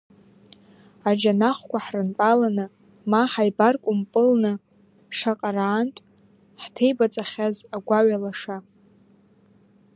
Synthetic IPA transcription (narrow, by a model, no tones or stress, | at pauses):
ad͡ʒanaχʷkʷaħrɨnpʼalanɨ | maħajbarkʷʼʊmpʼɨlnɨ | ʂaqʼaraːntʷʼ | ħtʰejbat͡sʼaχʲazaɡʷaɥalaʂa